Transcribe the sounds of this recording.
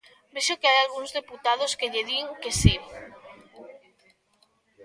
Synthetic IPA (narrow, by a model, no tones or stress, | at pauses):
beʃokɪajalɣuŋzðeput̪að̞ʊskeʎeðiŋkesi